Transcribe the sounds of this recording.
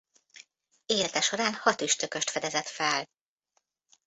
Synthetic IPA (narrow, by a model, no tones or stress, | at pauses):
eːlɛt̪ɛʃo̞ɾaːnhɒt̪yʃt̪økø̞ʃt̪fɛd̪ɛzɛt̪fɛl